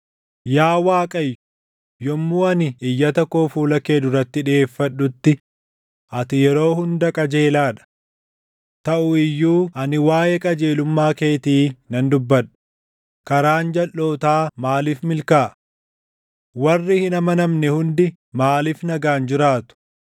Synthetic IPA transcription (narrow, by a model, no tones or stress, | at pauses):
jaːwaːkʼɐjːʊ | jɔmːuːɐnɪɪjːɐt̪ɐkːoːfuːlɐkeːd̪ʊɾɐt̪ːɪᶑɪeːfːɐᶑːʊt̪ːɪ | ʔɐt̪ɪjɛɾo̞ːhʊnd̪ɐkʼɐd͡ʒe̞ːlaːᶑɐ̥ | t̪ɐʔʊɪjːuːʔɐnɪwaːjɛkʼɐd͡ʒe̞ːlʊmːaːke̞ːt̪iːnɐnd̪ʊbːɐᶑʊ̥ | kɐɾaːnd͡ʒɐlːo̞ːt̪aːmaːlifmɪlkaː | wɐrːɪhɪnɐmɐnɐmnɛhʊnd̪ɪ | maːlifnɐɡaːnd͡ʒɪɾaːt̪ʊ̥